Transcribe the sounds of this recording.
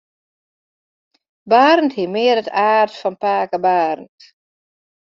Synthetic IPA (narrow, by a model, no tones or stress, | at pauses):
baːrn̩thimɪːəɾətʰaːrtfɔnpaːkəbaːrn̩t